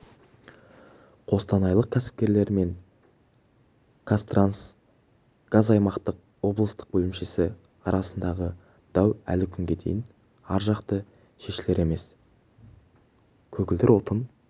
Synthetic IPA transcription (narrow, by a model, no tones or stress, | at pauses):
qʰo̞st̪ɑnɑjlˠəq̚kʲʰæsɪ̥p̚kʲe̞ɾle̞ɾme̞ŋ | kʰast̪rans | ɡ̥azɑjmɑqt̪əq̚ | wo̞blˠəst̪ə̥q̚bɵlɪmʃe̞sɪ | ɑɾɑsənd̪ɑʁə | d̪̥ɑwæ̰lɪkʲʰʏŋɡʲe̞d̪e̞̰jɪn | ɑɾʒɑqt̪ə | ʃe̞ʃɪle̞ɾe̞me̞s | kʲʰɵɡʲɪld̪ɪɾwot̪ən